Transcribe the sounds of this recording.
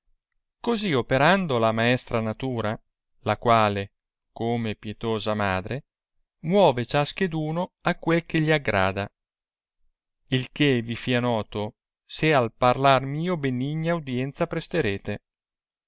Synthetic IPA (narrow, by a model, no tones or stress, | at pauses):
koziopeɾand̪olamaɛst̪ɾanat̪uːɾa | lakwaːle | komepjet̪oːzamaːd̪ɾe | mwɔːvet͡ʃask̟ed̪uːnoakːwelkeʎiaɡːɾa̰ːd̪a | ilkevifianɔːt̪o | sealparlarmiːobeniɲːawd̪jɛnt̪sapɾest̪eɾeːt̪e